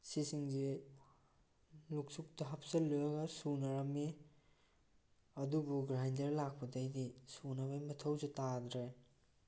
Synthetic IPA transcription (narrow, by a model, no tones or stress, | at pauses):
sisiŋzi | luk̚suk̚tɐɦapʰsɐlojɐɡɐsunɐɾɐmi | ɐdubuɡɾajndeɾlak̚pɐdɐjdisunɐbajmɐtʰɐwzitadɾe